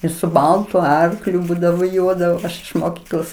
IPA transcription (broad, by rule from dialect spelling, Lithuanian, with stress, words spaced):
jɪs sʊ ˈbɐlˠtʊ ˈɐrklʲʊ ˈbuːdɐʋoː ˈjuɔdɐʋoː ˈɐʃ ɪʃ moːˈkʲiːklˠoːs